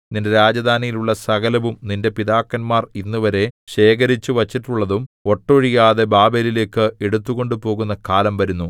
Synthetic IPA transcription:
ninde̞ɾaːd͡ʑɐd̪ʱaːnijiluɭːɐsɐɣɐlɐʋumninde̞piðaːkːɐnmaːrinːuʋɐɾe̞ɕe̞ːkɐɾit͡ɕːuʋɐt͡ɕːiʈːuɭːɐðumo̞ʈːoɻijaːðe̞baːbelile̞ːkːɨeɽut̪ːuɣo̞ɳɖupo̞ːɣunːɐkaːlɐmʋɐɾunːu

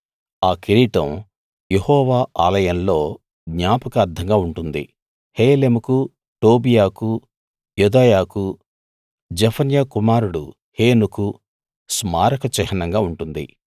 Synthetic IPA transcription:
aːkiɾiːʈɐ̰̃m | jehɔːʋaːʔaːlɐjɐnlo̞ː | ɡɲaːpɐkɐːɾd̪ʰʱɐŋɡaːuɳʈund̪ḭ | heːleːmuku | ʈo̞ːbijaːku | jud̪aːjaːku | d͡ʒɐpʰɐnjakumaːɾuɽṵ | heːnuku | smaːɾɐkɐt͡ʃɛɦɐnɐŋɡaːuɳʈund̪ḭ

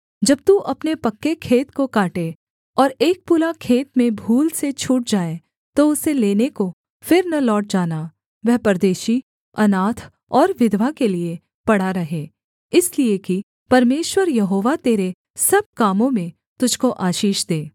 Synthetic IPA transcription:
d͡ʒɐb̚t̪uːʔɐpnepɐkːekʰeːt̪kokaːʈe | ɔːɾeːk̚puːɾakʰeːt̪mẽbʱuːlset͡ʃʰuːʈ̚d͡ʒaːe | t̪oʊseleːneko | fɪɾnɐlɔːʈ̚d͡ʒaːna | ʋɛɦpɐɾd̪eːʃi | ɐnaːt̪ʰ | ɔːɾʋɪd̪ʋakelie | pɐɽ̤aɾɐɦeː | ɪslieki | pɐɾmeːʃwəɾjɐɦoːʋat̪eːɾe | sɐb̚kaːmõmẽ | t̪ʊd͡ʒʱkoʔaːʃiːʃd̪eː

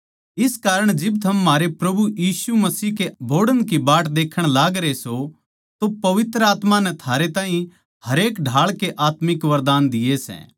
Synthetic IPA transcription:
ɪskaːɾəɽ̃d͡ʒɪbt̪ʰɐmːaːɾepɾɐbujiːsumɐsiːkebʱoːɽənkibaːʈd̪eːkʰəɽ̃laːɡɾeso | t̪opɐʋɪt̪ɾəaːt̪manɛt̪ʰaːɾet̪ãːɦĩ | hɐɾeːkɖʱaːɭkeʔaːt̪mɪkʋɐɾd̪aːnd̪ɪesɛ̰̃ː

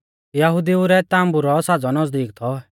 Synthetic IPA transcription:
jɐɦʊd̪iuɾɛt̪ãːmbuɾɔsaːd͡zɔnɐsd̪iːkt̪ʰɔ

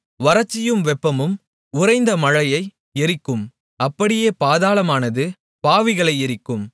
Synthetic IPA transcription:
ʋɐɾɐt͡ʃːɪjɯmʋɛpːɐmɯm | ʊɾɐɪnd̪ɐmɐɻɐjɐɪ | ɛɾɪkːɯm | ɐpːɐɽɪjeːpaːðaːlɐmaːnɐðɯ | paːʋɪɣɐɭɐɪɛɾɪkːɯm

